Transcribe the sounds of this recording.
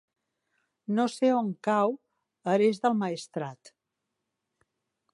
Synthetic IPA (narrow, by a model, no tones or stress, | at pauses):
noseoŋkaw | əɾezðəlˠmaist̪ɾat̪